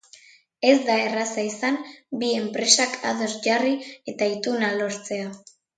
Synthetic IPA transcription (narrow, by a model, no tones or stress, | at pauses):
e̞zd̪ae̞rasaisambie̞mpɾe̞sakʰa̰ðoɾʝarie̞t̪ait̪unalo̞ɾt͡se̞a